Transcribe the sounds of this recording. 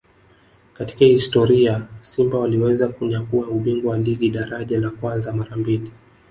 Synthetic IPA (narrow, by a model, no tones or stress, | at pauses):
kati̥kahistɔɾiasimbawaliwɛzakuɲakuauɓiŋɡɔwaliɠiɗaɾaʄalakwanzamaɾambili